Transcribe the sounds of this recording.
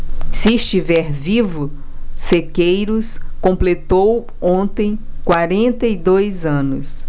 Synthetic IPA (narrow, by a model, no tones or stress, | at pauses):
sɪːst͡ʃivɛɾvivʊ | sekejɾʊskõmplet̪ow | õnt̪ẽj̃kwaɾẽnt̪ɐid̪ojzɐ̃nʊs